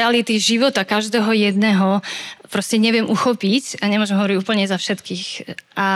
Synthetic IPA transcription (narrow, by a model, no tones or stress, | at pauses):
alit̪iʒiʋɔt̪akaʒd̪ɛːɦɔjɛd̪nɛɦɔpɾɔscɛɲɛʋɪɛmʔuxɔpicaɲɛmʊɔʒɛmɦɔʋɔɾiɟuːpl̩ɲɛzafʃɛt̪kiːxʔa